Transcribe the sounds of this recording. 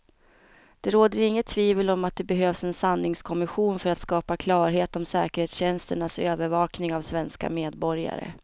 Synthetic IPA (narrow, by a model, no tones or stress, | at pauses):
d̪̥ɛɾoːd̪əɾɪŋːət̪ʰːviːvəlɔmat̪̚d̪ɛbɛɦøːvsɛnsanːɪŋskʰɔmɪɧuːnfœɾat̪skɑːpakʰlɑːɾɦeːt̪ɔmsɛ̰ːkəɾheːt̪sɕɛnst̪əɳasøːvəɾvɑːknɪŋavsvɛnska̰meːd̪bɔɾja̰ɾə̰